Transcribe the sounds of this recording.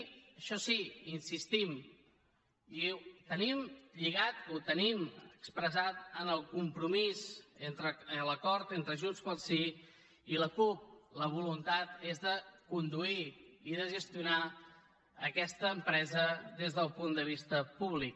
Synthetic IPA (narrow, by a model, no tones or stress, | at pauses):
əʃɔsiinsist̪im | it̪ənimʎiɣat̪ut̪əniməəkspɾəzat̪ənəlˠkumpɾumizent̪ɾələkɔɾt̪ent̪ɾəʒunskwalˠsi | iləkup̚ləβ̞ulunt̪at̪ezðəkund̪uiiðəʒəst̪juna | əkɛst̪əːmpɾɛzəðezðəlˠpund̪əβist̪əpuβlik